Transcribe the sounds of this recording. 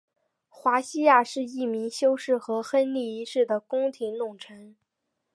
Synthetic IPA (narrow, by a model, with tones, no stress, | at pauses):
xwa˧˥ɕi˥ja˥˧ʂɻ̩˥˧i˥˩mi˧˥ŋɕjo˥ʊʂɻ̩˥˩xɤ˧˥xə˥nli˥˩i˧˥ʂɻ̩˥˩d̪ə˩kʊ˥ŋt̪ʰi˧˥ŋlʊ˥˩ŋʈ͡ʂʰɤ˧˥ŋ